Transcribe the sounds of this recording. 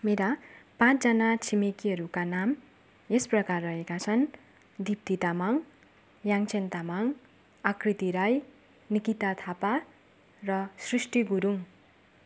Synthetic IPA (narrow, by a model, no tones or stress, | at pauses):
meɾapãt͡sd͡zʌnat͡sʰimekiɦʌɾukanam | esprʌkarːʌɦekat͡sʰʌn | d̪ip̚t̪it̪amaŋ | jaŋt͡sʰent̪amaŋ | akrit̪iɾaj | nikit̪at̪ʰapa | rʌsrisʈiɡuɾuŋ